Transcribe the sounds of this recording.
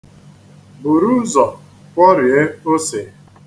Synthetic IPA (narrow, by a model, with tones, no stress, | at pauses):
bu˨ɾu˦zɔ˨ | kʷɔ˦ɾi˨e˦o˦se˨˦